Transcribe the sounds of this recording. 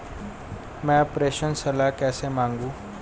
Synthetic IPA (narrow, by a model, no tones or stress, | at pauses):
mɛ̃pɾeɕənsəlakɛsemaŋɡuː